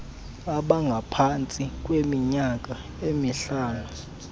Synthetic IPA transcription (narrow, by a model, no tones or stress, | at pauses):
aɓaŋɡʱapʰant͡sʼik̬ʼwemiɲak̬ʼa | emiɬaːlɔ